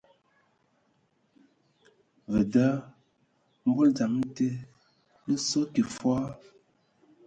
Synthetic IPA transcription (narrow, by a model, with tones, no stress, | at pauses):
və˨da˦ | m̩˦ɡo˦ld͡za˨m˦n̩˦te˦ | n̩˦so˦ki˨fwa˦